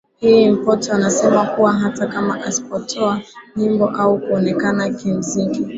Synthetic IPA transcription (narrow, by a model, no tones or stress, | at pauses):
him̩pɔtɔanasɛmakuwaɦatakamaʔasi̥pɔtʰɔaɲimbɔʔaukuɔnɛkanakim̩ziŋɡi